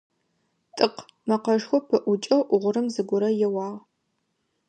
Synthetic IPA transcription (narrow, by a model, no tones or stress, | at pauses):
tʼɨq | mɐqɐʒxʷɔpʰɨʔʷʊt͡ʃʼɐwʔʷʊʁʷʊɾɨmzɨɡʷʊɾɐjɛwɑːʁ